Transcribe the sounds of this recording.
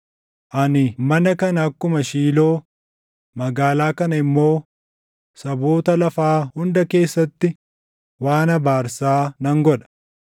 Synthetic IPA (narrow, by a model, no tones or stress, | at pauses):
ʔɐnɪmɐnɐkɐnɐːkːʊmɐʃiːlo̞ː | mɐɡaːlaːkɐnɐɪmːo̞ː | sɐbo̞ːt̪ɐlɐfaːhʊnd̪ɐke̞ːsːɐt̪ːɪ | waːnɐbaːɾsaːnɐŋɡɔᶑɐ̥